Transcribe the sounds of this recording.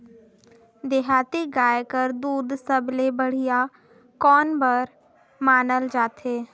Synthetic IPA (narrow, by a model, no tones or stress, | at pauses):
d̪eɦaːt̪iɡaːjkəɾd̪uːd̪səblebəɽ̤ija | kɔːnbəɾ | maːnəld͡ʒaːt̪eː